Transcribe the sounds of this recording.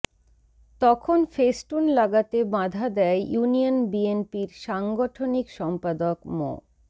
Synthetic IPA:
t̪ɔkʰonfesʈunlaɡat̪ebãd̪ʱad̪ɛjjunionbienpiɾʃaŋɡoʈʰonikʃɔmpad̪okmo̰

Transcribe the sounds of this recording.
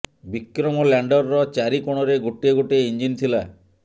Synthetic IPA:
bikɾɔmɔlaɳɖɔɾːɔt͡ʃaɾikoɽ̃ɔɾeɡoʈieɡoʈeind͡ʒint̪ʰila

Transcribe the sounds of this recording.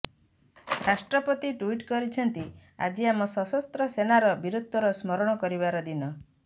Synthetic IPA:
ɾasʈɾɔpɔt̪iʈuiʈkɔɾit͡ʃʰɔnt̪ia̰d͡ʒiamɔsɔsɔst̪ɾɔsenaɾɔbiɾud̪ʱːɔɾɔsmɔɾɔɽ̃ɔkɔɾibaɾɔd̪inɔ

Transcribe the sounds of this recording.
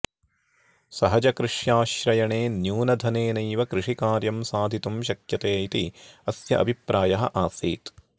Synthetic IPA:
sɐɦɐd͡ʒɐkɾɪʂjaːʃɾɐjɐɳeːnjuːnɐd̪ʱɐneːnɐjʋɐkɾɪʂikaːɾjɐmsaːd̪ʱit̪umʃ̬ɐkjɐt̪eːit̪iɐsjɐ̰ʔɐ̰bʱipɾaːjɐɦɐʔaːsḭːt̪

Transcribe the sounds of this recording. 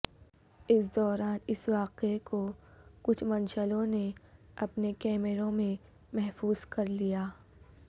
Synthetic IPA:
ɪsd̪ɔːɾaːnɪsʋaːqekokʊt͡ʃʰmɐnʃəlõneɐpnekɛːmɪɾõmẽ | mɛɦfuːz̥kɐɾlijaː

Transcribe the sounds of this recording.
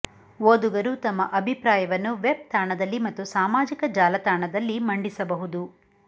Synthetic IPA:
ʋoːd̪uɡɐɾut̪ɐmːɐʔɐbʱipɾaːjɐʋɐnːuʋeb̚t̪aːɳɐd̪ɐlːimɐt̪ːusaːmaːd͡ʒikɐd͡ʒaːlɐt̪aːɳɐd̪ɐlːimɐɳɖisɐbɐɦud̪u

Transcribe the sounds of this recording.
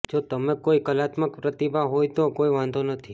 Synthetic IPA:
d͡ʒot̪əmekoikəlat̪məkpɾət̪ibʱaɦojt̪okoiʋãnd̪ʱonət̪ʰi

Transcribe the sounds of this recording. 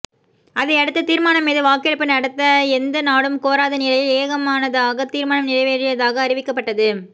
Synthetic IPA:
ɐðɐɪɐɽɯt̪ːɐt̪iːɾmaːnɐmːeːðɯʋaːkɐɽɯpːɯnɐɽɯt̪ːɐɛnd̪ɐnaːɽɯmkoːɾaːðɐnɪlɐjɪleːɣɐmaːnɐðaːɣɐt̪iːɾmaːnɐmnɪlɐʋeːɾɪjɐðaːɣɐːɾɪʋɪkːɐpːɐʈːɐðɯ

